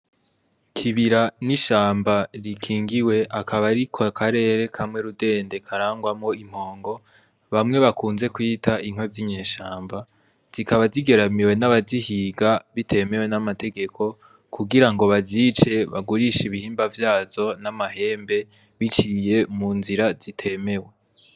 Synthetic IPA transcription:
kʰiβiɾaniʃaːmbaɾikʰiːŋɡiwe̞ʔakʰaβaɾikʰokʰaɾe̞ːɾe̞kʰamŋe̞ɾude̞ːndekʰaɾaːŋɡwamŋo̞im̥ho̞ːŋɡo̞ | βamŋe̞βakuːnze̞kwiːtaʔiŋ̥oziɲeːʃaːmba | z̥ikaβaziɡe̞ɾamiwe̞naβazihiːɡaβitʰe̞me̞we̞namate̞ɡe̞kʰo̞ | kʰuɡiɾaŋɡo̞βaziːt͡ʃe̞βa̰ɡuɾiʃiβihiːmbavjaːz̥o̞namaɦe̞ːmbe̞ | βit͡ʃije̞munziɾaz̥itʰe̞me̞we̞

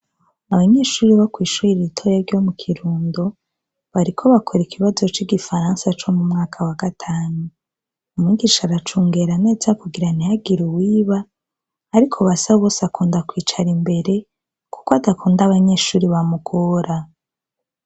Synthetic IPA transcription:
aβaɲe̞ːʃuːɾiβakwiːʃuiɾiitʰo̞jeɾɟo̞mukʰiɾuːndo | βaɾikʰo̞βakʰoɾikʰiβazo̞t͡ʃiɡifaɾaːnsat͡ʃo̞mumŋaːkʰawaɡatʰaːnu | umŋiːɡiʃaɾat͡ʃuːŋɡe̞ɾane̞ːzakuɡiɾanijaɡiɾuwiːβaː | ɾikʰo̞βasaββo̞ːsakuːndakwiːt͡ʃaɾimbe̞ɾe̞ | ku̥koadakuːndaβaɲe̞ʃuːɾiβamukʰoːɾa

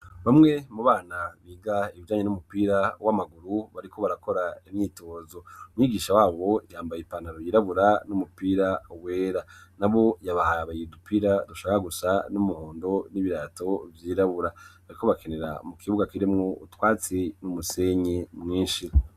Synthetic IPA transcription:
βamŋe̞muβaːnaβiːɡaiβid͡ʒaːɲenumupiːɾawamaɡuɾuβaɾiko̞βaɾako̞ɾaimɲiːto̞ːzo̞mwiːɡiːʃawaːβo̞jaːmbajipanaɾojiːɾaβuɾanumupiːɾawe̞ːɾanaβo̞jaβahaβajidupʰiːɾaduʃaːkakaɡusanumuho̞ːndo̞niβiɾaːto̞vjiːɾaβuɾaβaɾiko̞βakʰe̞ne̞ɾa̰mukʰiβuɡakiɾimŋo̞utwaːt͡sinumuse̞ɲemŋiːnʃi

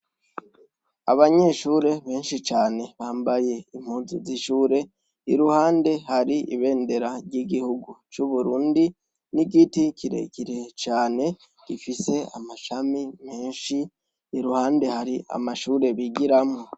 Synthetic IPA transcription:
a̰βaɲe̞ːʃuːɾe̞βe̞ːnʃit͡ʃaːne̞βaːmbaje̞im̥huːnziziʃuːɾe̞ | iɾuhaːnde̞haɾiḭβe̞ːnde̞ɾaɾɟiɡihuɡut͡ʃuβuɾuːndi | niɡiticʰiɾḛkiɾet͡ʃaːne̞ | ɡ̥ifise̞a̰maʃamime̞ːnʃiː | ɾuhaːnde̞haɾia̰maʃuːɾe̞βiɡiɾamo

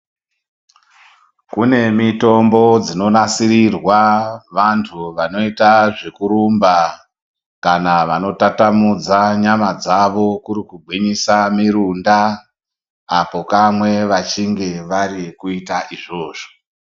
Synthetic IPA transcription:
kune̞mito̞mbo̞d͡zino̞nasiɾirwaʋantʰuʋano̞itaʐekuɾumba | kanaʋano̞tatamud͡zaɲamad͡zaʋo̞kuɾikuɡʱwiɲisamiɾunda | po̞kamwe̞ʋat͡ʃiŋɡe̞ʋaɾikuitaʔiʐo̞ːʐo̥

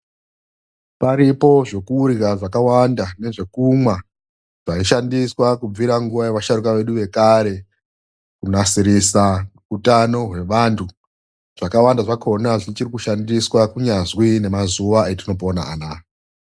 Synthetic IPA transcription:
paɾipo̞ʐe̞kuːriɣaʐakawandane̞ʐe̞kumwa | ʐ̥aiʃandiswakub͡viɾaŋɡuʋaje̞ʋaʃaɾukaʋe̞ɗuʋe̞kaɾe̞ | kunasiɾisa | utano̞ɦwe̞ʋantʰu | ʐ̥akawandaʐakʰo̞naʐit͡ʃirikuʃandiswakuɲazwine̞mazuʋaetino̞pona̰anaː

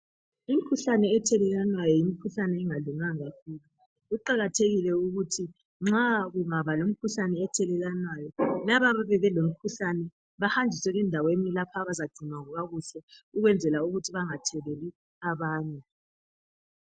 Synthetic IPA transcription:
im̩ikʰuɬanɛːtʰɛlɛlanwajɔjimikʰuɬanɛːŋaɮuŋaŋafili | ɣuǃaɣatʰeɣilɛuɣutʰi | ŋ͡ǁaɣuŋaβalom̩kʰuɬanɛːtʰɛlɛlanwajɔlaβaβaβɛɣɛlom̩kʰuɬanɛ | βahand͡ʒʱisɛɣɛndʱawenilapʰaβazad̥ʱumaɣuɣaɣuɬɛuɣwɛnd͡zʱɛlauɣutʰiβaŋatʰɛlɛli | aβaːnɛ

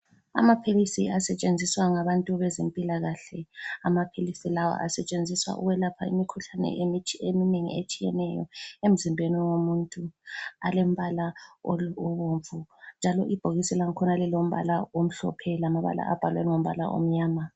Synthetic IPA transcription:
a̰mapʰilisḭasɛt͡ʃʼend͡zʱiswaŋaβantʼuβɛzempʼilaɣaɬɛamapʰilisilawa̰ʔasɛt͡ʃʼend͡zʱiswa̰ʔṵɣwɛlapʰa̰ḭmikʰuɬanɛ̰ʔemitʰemineŋḭet͡ʃʼijɛ̰nɛjɔ̰em̩zimbʱeniwomuntʼua̰lem̩βalaooβoɱvund͡ʒʱalɔʔib̥ʱoɣisɛlaŋ̩kʰɔnalilom̩βa̰laom̩ɬɔ̰pʰɛlamaβa̰la̰ʔa̰b̥ʱalwɛŋom̩βa̰la̰ʔo̰m̩ɲaːma

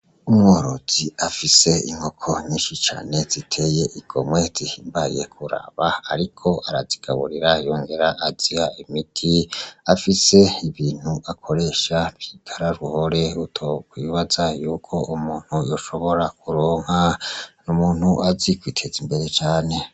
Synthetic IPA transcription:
umŋoːɾoz̥iafise̞ḭŋ̥ho̞kʰo̞ɲiːnʃit͡ʃa̰ːne̞zitʰe̞ːje̞ʔiɡ̥o̰mwe̞z̥ihiːmbaḭje̞kʰuɾa̰βaaɾikʰo̞ʔaɾaziɡ̥a̰βṵɾiɾajoːŋɡe̞ɾaʔːzihaimitʰiafise̞iβiːn̥huʔakʰo̞ɾe̞ːʃabjiɡʰaɾaɾuho̞ɾe̞utʰokwiβazajuːkʰo̞ʔumuːn̥hujoʃo̞βo̞ɾakʰuɾoːŋ̥hanumuːnhuʔazikwiːtʰe̞zimbe̞ɾe̞t͡ʃaːne̞

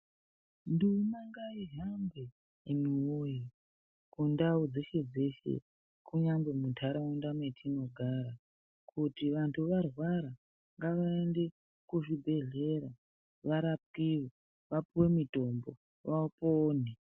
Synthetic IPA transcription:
ndunaŋɡaiɦambe | emiwoji | kundaud͡zeʃe̞d͡ze̞ʃe̞̰ | kʰuɲambe̞mutʰaɾawundametʰino̞ɡʱaɾa | kʰutiʋantʰuʋarwaɾa | ŋɡaʋaende̞ | kuʐibʱe̞ɮe̞ɾa | ʋaɾap̚kiwo | ʋapuwe̞mito̞mbo̰ | ʋaupoːne

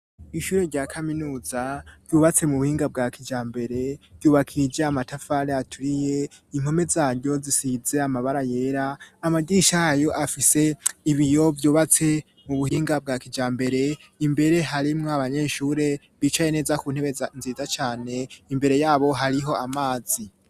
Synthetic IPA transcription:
iʃuːɾe̞ɾɟaːkʰaminuːzav̥ɟuːβat͡se̞muβuhiːŋɡab̚ɡakʰid͡ʒaːmbe̞ɾe̞̥ɟuːβakʰiɾid͡ʒeamatafaɾeatʰuɾije̞ | iŋ̥o̞me̞zaːɾɟo̞zisize̞amaβaɾaje̞ɾaːmaɡɟiʃahjo̞ʔafise̞iβijo̞vjuːβat͡se̞ | muβuhiːŋɡab̚ɡaːkid͡ʒaːmbe̞ɾe̞ | imbe̞ɾe̞ɦaɾimŋoaβaɲe̞ːʃuɾe̞ | βiːt͡ʃaje̞ne̞ːzakuːn̥he̞βenziːzat͡ʃaːne̞imbe̞ɾe̞jaːβo̞ɦaɾiɦo̞amaːzi

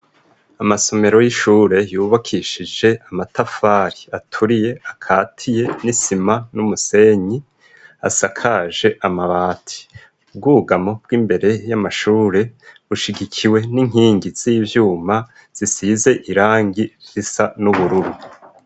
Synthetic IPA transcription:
amaso̞me̞ɾo̞jiʃuːɾe̞juːβakʰiːʃid͡ʒe̞amatafaɾiatʰuɾije̞akʰaːtʰije̞nisimanumuse̞ɲi | a̰sakʰaʒe̞ʔamaβaːtʰi̥ | b̚ɡuɡamo̞b̚ɡwiːmbe̞ɾe̞jamaʃuːɾe̞ | uʃiɡikʰiwe̞niŋ̥ɦiːŋɡiz̥iːvjuːma | z̥isize̞ʔiɾaːŋɡiisanuβuɾuɾu

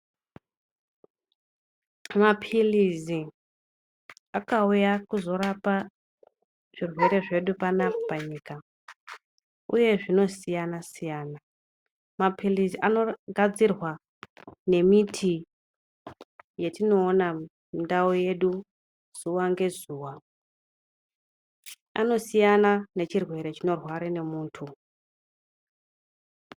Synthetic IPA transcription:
mapʰilizi | akaujakuzo̞ɾapa | ʐ̥irwe̞ɾe̞ʐe̞ɗupanapopaɲiːka | ṵje̞ʐino̞sijanasijaːna | mapʰiliziʔano̞ɡʱad͡zirwa | ne̞mitʰi | je̞tino̞ːna | mindaoje̞ɗu | z̥uwaŋɡe̞zuːwa | a̰no̞sijanane̞t͡ʃirwe̞ɾe̞t͡ʃino̞rwaɾene̞muːntʰu

